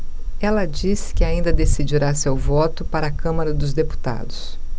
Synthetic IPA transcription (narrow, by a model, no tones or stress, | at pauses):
ɛlɐd͡ʒisɪ̥kɪaĩnd̪ɐd̪esid͡ʒiɾasewvɔt̪ʊpaɾɐaːkɐ̃mɐɾɐd̪ʊzd̪epu̥t̪a̰d̪ʊs